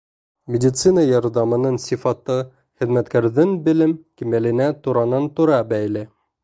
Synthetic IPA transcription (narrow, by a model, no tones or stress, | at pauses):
mʲɪdʲit̪sɨnɑjɑɾðɑmɤ̆nɤnsʲifɑt̪ɤ | χɘ̆ðmæt̪kæɾðɘnbɘ̆lɘmkimælɘ̆næt̪uɾɑnɤnt̪ŭɾɑbæjlɘ